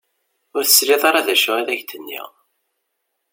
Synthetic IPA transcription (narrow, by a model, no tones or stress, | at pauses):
ʊɾθə̥sɾiðˤɑɾˤaðæʃʊæðæʝt̪ənːḭʁ